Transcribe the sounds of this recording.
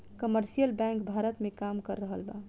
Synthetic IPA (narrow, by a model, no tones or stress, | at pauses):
kəməɾsijəlbɛ̃ŋkbʱaɾət̪mẽkamkəɾːəɦəlba̰